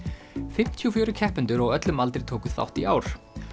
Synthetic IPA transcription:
fɪm̥t̪ʰiɔfjœːɾʏcʰɛhpʏnt̪ʏɾɔɣœt̪lʏmalt̪ɾɪɾ̥t̪ʰoːwkʏ̥θa̰wht̪iʔaːwɾ̥

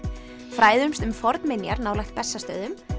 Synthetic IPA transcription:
fɾaːjðʏmst̪ʏmfɔɾt̪nmɪnjaɾnaːwlajxt̪̚pɛsːast̪œːðʏm

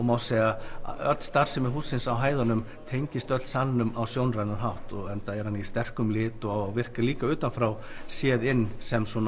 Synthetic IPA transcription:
ɔmawseːja̰œ̰t̪st̪ar̥sɛmɪɦuːsːɪnsawɦaːjðanʏm | t̪ʰejɲcɪst̪œt̪l̥sannʏmawsjownrajnaɾɦawht̪ɔɣɛnt̪aɛɾ̥hanist̪ɛr̥kʏmlɪːt̪ɔawavɪr̥kaliːkaʏːt̪anfɾaw | sjɛːðɪnːsɛmsɔn

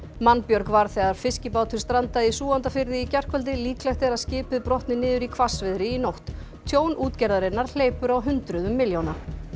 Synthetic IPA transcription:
manːpjœɾkvaɾ̥θɛːɣaɾ̥fɪscɪpaːwt̪ʰʏɾ̥st̪ɾant̪aɪsuːant̪afɪɾðɪicɛr̥kvœlt̪ɪliːklɛxt̪ɛɾaðscɪːpʏðpɾɔht̪nɪnɪːðʏɾikʰvasvɪðɾɪinowht̪ | t̪ʰjoːwnʔuːt̪cɛɾðaɾɪnaɾ̥l̥eːjpʏɾawɦʏnt̪ɾʏðʏmːɪljowna

